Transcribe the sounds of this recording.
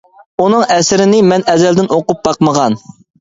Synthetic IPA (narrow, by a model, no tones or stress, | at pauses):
unɨŋɛsɪɾɪnɪmɛnɛzɛld̪ɪnoqʊp̚bɑqməʁɑn